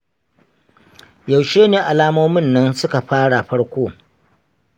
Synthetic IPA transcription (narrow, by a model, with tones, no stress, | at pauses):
ja˨wʃeː˦neː˨ʔa˨laː˦moː˦mɪ˦˨nːɐ˦nsʊ˦ka˨ɸaː˦ɽa˨ɸɐ˦ɽkʷoː˦